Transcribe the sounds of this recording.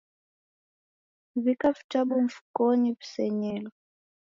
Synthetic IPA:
vikavi̥t͡ʃaɓuɱ̩fu̥kɔnivi̥sɛɲɛlɔ

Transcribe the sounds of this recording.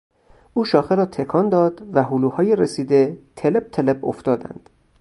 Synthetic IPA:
ʔuːʃɒːxeɾɒːt̪ʰekʰɒːnd̪ɒːd̪væɦuːluːhɒːjeɾesiːd̪et̪ʰeleb̚t̪ʰelebo̰ft̪ɒːd̪æ̰nd̪̥

